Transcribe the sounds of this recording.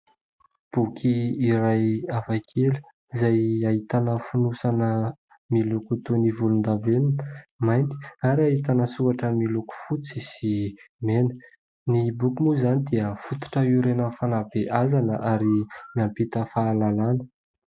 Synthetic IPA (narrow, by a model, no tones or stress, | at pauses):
b̥ukʰiːɾajavajkʰelu̥ | izajaɦit̪anəfunusanə | milukut̪onivulund̪avenimajnt̪i̥aɾiaɦit̪anəsuaʈ͡ʂəmiluku̥fut͡sisimenə̥ | nibukumuzanid̪iəfut̪u̥ʈ͡ʂəiɾenəfanabeʔazanəʔaɾimiampit̪əfaːlalanə̥